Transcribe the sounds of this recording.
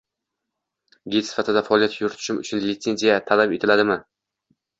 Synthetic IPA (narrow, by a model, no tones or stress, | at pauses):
ɡʲet̪sɪ̥fat̪ɪd̪afaɒlijat̪jʊɾt̪ʰʊ̥ʃɪmʊ̰t͡ʃʰʊnlɪt̪se̞nzijat̪ʰalape̞t̪ʰɪlad̪ɪmɪ